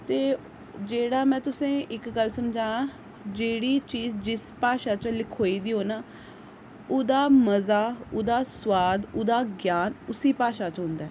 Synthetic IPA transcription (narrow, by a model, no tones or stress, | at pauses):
t̪eː | d͡ʒeːɽaːmɛ̃ːt̪ʊsẽːʔɪkɡəlsəmd͡ʒaːãː | d͡ʒeːɽiːt͡ʃiːzd͡ʒɪspaːʃaːt͡ʃlɪkʰoːiːd̪iːɦoːnaː | ʊd̪aːməzaːʊd̪aːswaːd̪ʊd̪aːɡjaːnʊsiːpaːʃaːt͡ʃɦʊ̃nd̪aː